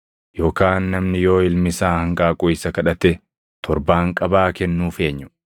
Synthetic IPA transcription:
jo̞ːkaːnːɐmnɪjo̞ːɪlmɪsaːhɐŋkʼaːkʼʊɪsɐkɐᶑɐt̪ɛ | t̪ʰɔɾbaːŋkʼɐbaːkɛnːuːfe̞ːɲːʊ̥

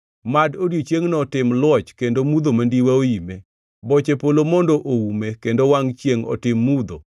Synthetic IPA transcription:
madodjot͡ʃjeŋnɔtɪmlwɔt͡ʃkendomud̪omandiwaojime | bɔt͡ʃepolomɔndoʔoumekendowaŋt͡ʃjeŋɔ̰tɪmːud̪o̰

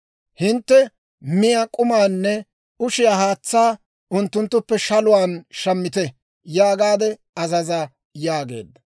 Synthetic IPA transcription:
hɪnt̪ːɛ | mɪjaːkʼʊmaːnːɛ | ʊʃɪjaːhaːt͡sːaː | ʊnt̪ːʊnt̪ːʊpːɛʃɐlʊwaːnʃɐmːɪt̪ɛ | jaːɡaːd̪ɛ | ɐzɐzɐ | jaːɡḛːd̪ːɐ

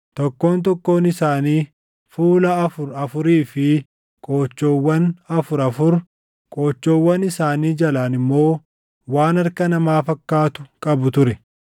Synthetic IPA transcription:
t̪ɔkːo̞ːnt̪̬ɔkːo̞ːnɪsaːniː | fuːlɐːfʊɾɐfʊɾiːfɪ | kʼo̞ːt͡ʃːo̞ːwːɐnɐfʊɾɐfʊɾ | kʼo̞ːt͡ʃːo̞ːwːɐnɪsaːniːd͡ʒɐlaːnɪmːo̞ː | waːnɐɾkɐnɐmaːfɐkːaːt̪ʊkʼɐbʊt̪ʊɾɛ

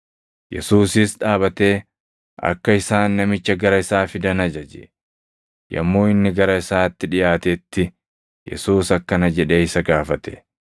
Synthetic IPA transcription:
jɛ̰suːsɪsᶑaːbɐt̪e̞ː | ɐ̰kːɐɪsaːnːɐmɪt͡ʃːɐɡɐɾɐɪsaːfɪd̪ɐnɐd͡ʒɐd͡ʒɛ̰ʔ | jɐ̰mːo̞ːɪnːɪɡɐɾɐɪsaːt̪ːɪᶑɪjaːt̪et̪ːɪ | jɛ̰suːsɐkːɐnɐd͡ʒɛᶑeːɪsɐɡaːfɐt̪ɛ̥

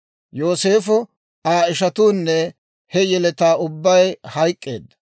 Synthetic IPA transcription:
jo̞ːse̞ːfɔ | aːɪʃɐt̪uːnːɛ | hɛjɛlɛt̪aːʊbːɐjhɐjkʼːe̞̰ːd̪ːɐ̥

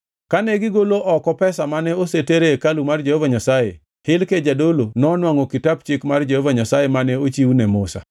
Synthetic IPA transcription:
kanɛɡɪɡoloʔɔkɔpɛsamanɛoseteɾekalumard͡ʒehovaɲasaje | hɪlked͡ʒadolonɔnwaŋɔkɪtab̚t͡ʃɪkmard͡ʒehovaɲasajemanɛot͡ʃiwnɛmʊsa̰

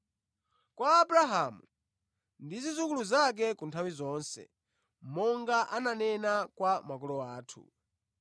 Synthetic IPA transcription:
kwaːbɾaɦamu | ndizizukuluzak̬ɛkuntʰawizɔːnsɛ̰ | mɔŋɡaʔananɛnakwamak̬ɔlɔaːtʰṵ

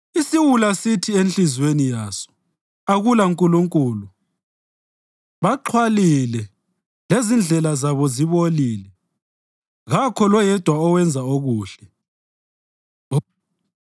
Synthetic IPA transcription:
isiwulasitʰienɬizwenijaːsɔ̥ | aɣulaŋkʼuluŋkʼuːlu | βaǃʰwalilɛ | lezind͡ɮʱɛlazaβɔziβoliːlɛ | ɣakʰɔlɔjɛd̥ʱwaɔwɛnd͡zʱaoɣuːɬɛ

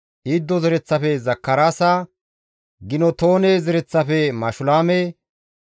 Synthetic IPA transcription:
ʔid̪ːɔzɛɾɛt͡sːɐfɛzɐkːɐɾaːsaː | ɡɪnɔt̪o̞ːnezɛɾɛt͡sːɐfɛmɐʃʊlaːmɛ

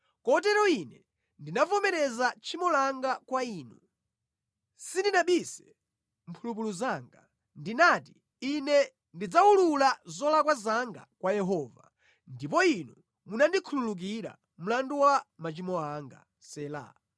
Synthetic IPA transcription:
kɔtɛɾɔinɛ | ndinavɔmɛɾɛzat͡ʃʰimɔlaŋɡakwaiːnu | sindinaɓisɛ̥ | m̩pʰulup̬uluzaːŋɡa | ndinaːti | inɛ | ndid͡zaululazɔlakwazaŋɡa̰kwajɛɦɔːva̰ | ndip̬ɔinu | munandikʰululuk̬iɾa̰ | m̩landuwamat͡ʃimɔaːŋɡa̰ | sɛːla̰

